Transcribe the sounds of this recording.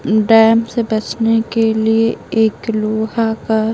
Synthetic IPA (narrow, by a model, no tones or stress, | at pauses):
ɖɛːmsebɐt͡ʃnekelieeːkloːɦaka